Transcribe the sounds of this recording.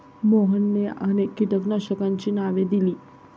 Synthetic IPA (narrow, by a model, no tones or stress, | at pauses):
moɦənːeañekiʈəknaɕəkaɲt͡ɕiːnaʋed̪iliː